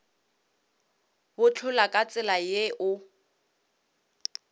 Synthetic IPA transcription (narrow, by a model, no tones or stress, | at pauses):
bʊt͡ɬʰʊlakʼat͡sʼɪlajeʔʊ